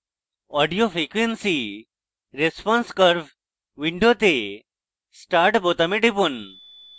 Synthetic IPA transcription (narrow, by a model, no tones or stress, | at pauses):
ɔɖijofɾikʋensi | ɾespɔ̃nskəɾʋ | ʋiɳɖot̪e | sʈaɾʈbot̪ɐmeʈipun